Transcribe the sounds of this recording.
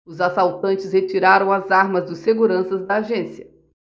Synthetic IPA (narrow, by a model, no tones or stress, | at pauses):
ʊzasawt̪ɐ̃nt͡ʃɪshet͡ʃiɾaɾɐ̃w̃ɐzaɾmɐzd̪ʊsseɡuɾɐ̃sɐzd̪ɐaʒẽsiɐ